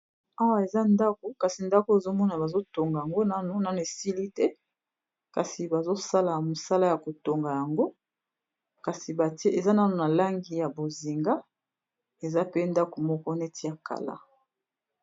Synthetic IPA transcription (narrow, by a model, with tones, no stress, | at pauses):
a˦wa˨e˨za˦nda˦ko˨ka˨si˨nda˦ko˦e˨zo˦mɔ˦na˨ba˨zo˦to˨ŋɡa˨ja˨ŋɡo˦na˦no˨na˦no˨e˨si˦li˦tɛ˦ | ka˨si˨ba˨zo˦sa˦la˨mo˨sa˦la˦ja˨ko˨to˨ŋɡa˨ja˨ŋɡo˦ | ka˨si˨ba˨te˦e˨za˦na˦no˨na˨la˦ŋɡi˦ja˨bo˨zi˨ŋɡa˦ | e˨za˦pe˦nda˦ko˨mɔ˦kɔ˦ne˦tʰi˦ja˨ka̰˨la̰˦